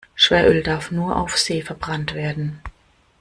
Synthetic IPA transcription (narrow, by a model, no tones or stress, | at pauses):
ʃv̥ɛːɐʔʏldaɐfnuːɐʔa̰ʊfz̥eːfɛɐbʁantv̥eːɐdn̩